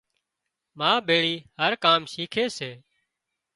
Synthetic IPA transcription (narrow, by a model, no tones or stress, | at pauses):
mãːɓeːɭiːhəɾkaːmʃiːkʰeːseː